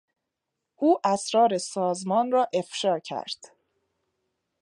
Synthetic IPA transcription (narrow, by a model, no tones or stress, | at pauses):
ʔuːʔæsɾɒːɾesɒːzmɒːnrɒːʔe̞fʃɒːcʰæ̰ɾd̪̥